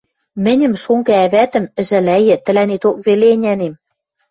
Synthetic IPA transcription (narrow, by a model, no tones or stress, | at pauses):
mɘ̆nʲɘ̆mʃoŋɡææβæt̪ɘ̆mɘ̆ʒɘ̆læjɘ̆t̪ɘ̆lænet̪ok̚βeleːnʲænem